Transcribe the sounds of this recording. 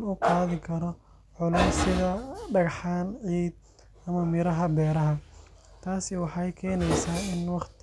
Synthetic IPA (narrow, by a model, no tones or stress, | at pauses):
nʊqɑːðɪkʰɐɾɔ | ʕʊlɛːsɪðɐɖɐɣɑħɑːnʕiːd̪̚ | ɐmɐmɪɾɐɦɐbɛːɾɐɦɐ | t̪ʰaːsɪwɑħɑjkʰɛːnɛjsaːɪnwɑqt̪ʰ